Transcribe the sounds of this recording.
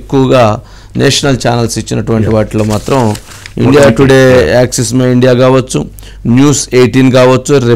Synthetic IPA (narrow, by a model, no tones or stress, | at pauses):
kːuʋɐɡaː | nḛːʂɐnɐlt͡ʃaːnɐlsit͡ʃːinɐʈuʋɐɳʈiʋaːʈloːmaːt̪ɾɐm | ḭɳɖijaːʈuɽeːaːksesmaːiɳɖijaːkaːʋɐt͡ʃːu | njuːseːjʈinkaːʋɐt͡ʃːuɾe